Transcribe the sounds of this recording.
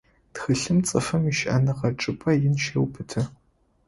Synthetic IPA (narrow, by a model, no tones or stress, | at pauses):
txɨɬɨmt͡sʼɐfɐmiʃʔɐ̰nɨqɐʈ͡ʂʼɨpʼɐjɪnʃewpʰɨtʰɐ